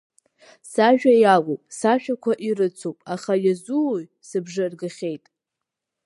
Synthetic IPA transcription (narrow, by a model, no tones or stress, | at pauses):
saʒᶣajalopʼsaʃᶣakʷʰaʔiɾɨt͡sʰopʼaχajazuoj | sɨbʐɨrɡɨχʲe̞jtʼ